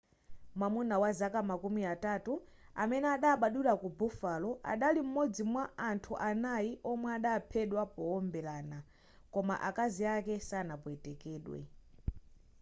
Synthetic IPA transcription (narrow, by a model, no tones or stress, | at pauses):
mwamunawazakamakumiatatua̰mɛnɛaɗaːɓaɗulakubufalɔa̰ɗalim̩mɔd͡zimwaantʰuʔanajiʔɔmwɛaɗaːpʰɛɗwapɔɔmbɛlaːna | kɔma̰ʔakaziakɛsanapɔɛtɛkɛːɗwɛ̰